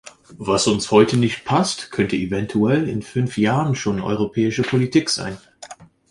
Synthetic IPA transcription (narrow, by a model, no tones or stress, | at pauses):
vasʊnshɔʏtənɪçt̚pʰastkʰœntəevɛntʰuɛlɪ̰nfʏnfjaːʁənʃoːnʔɔ̰ʏʁopʰɛːɪʃəpʰolitʰiːkz̥a̰ɪn